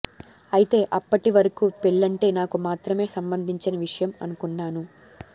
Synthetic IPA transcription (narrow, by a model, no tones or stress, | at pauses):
ɐjit̪e̞ːʔɐpːɐʈiʋɐɾɐkuːpeɭːɐɳʈe̞ːnaːkumaːt̪ɾɐme̞ːsɐmbɐnd̪ʱiɲt͡ʃinɐʋiʂɐjɐmɐ̰nukunːaːnu